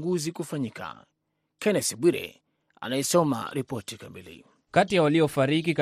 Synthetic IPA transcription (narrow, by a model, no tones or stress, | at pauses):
ŋɡuzikufaɲikʰa̰ | kɛnɛsiɓwiɾɛ̰ | a̰naɛsɔma̰ɾipɔtikamilḭ | katijawaliɔfaɾik̬ik